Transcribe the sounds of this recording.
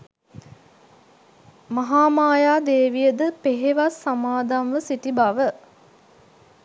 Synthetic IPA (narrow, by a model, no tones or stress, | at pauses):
maɦaːmaːjaːd̪eːʋijəd̪əpeɦeʋasːamaːd̪anʋəsiʈibaʋə